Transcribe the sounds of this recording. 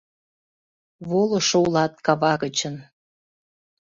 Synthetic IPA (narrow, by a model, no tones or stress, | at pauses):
βoloʃoulɑt̪̚kɑβɑɣət͡ɕən